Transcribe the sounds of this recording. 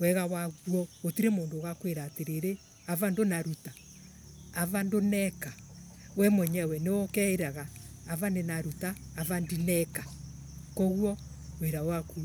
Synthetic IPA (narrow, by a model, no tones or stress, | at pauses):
wɛɣawaɣwɔotiɾemoːndoɣakweɾateɾeɾe | avandonaɾuta | avandonɛkawɛmɔɲɛwɛnewɔkɛeɾaɣaːvanenaɾutaːvandinɛka | kɔɣuɔ | weɾaowaku